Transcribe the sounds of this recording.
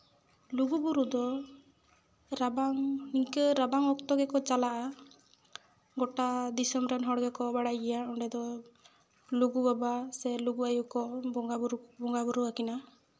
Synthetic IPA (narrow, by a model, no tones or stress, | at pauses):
luɡubuɾud̪ɔ | ɾabaŋniŋkəɾabaŋɔkt̪ɔɡɛkɔt͡ʃalaʔa | ɡɔʈad̪isɔmɾɛnɦɔɽɡɛkɔbaɽajɡɛjaɔɳɖɛd̪ɔ | luɡubabasɛluɡuajukɔɡabuɾubɔŋɡabuɾuakina